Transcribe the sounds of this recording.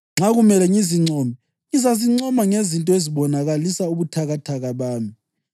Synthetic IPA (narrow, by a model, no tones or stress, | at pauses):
ŋ͡ǁaɣumɛlɛŋiziŋ͡ǀɔːmɛ | ŋizaziŋ͡ǀɔmaŋezintʼɔeziβɔnaɣalisauβutʰaɣatʰaɣaβaːmi